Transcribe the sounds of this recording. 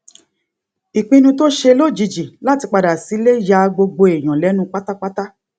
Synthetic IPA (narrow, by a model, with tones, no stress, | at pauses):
i˨k͡pĩ˧nũ˧to˦ʃe˧lo˦˨d͡ʒi˧d͡ʒi˨la˦ti˧k͡pa˧da˨si˨˦le˦ja˧ɡ͡bo˧ɡ͡bo˧e˨j̃ɔ̃˨lɛ˨˦nũ˧˦k͡pa˦ta˦k͡pa˦ta˦